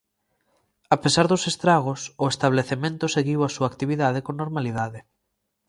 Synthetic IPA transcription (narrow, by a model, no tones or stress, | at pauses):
apesaɾðʊsest̪ɾaɣ̞ʊsʊest̪aβ̞leθemẽnt̪ʊseɣiwasuaːkt̪iβiðaðekoŋnoɾmaliðaðɪ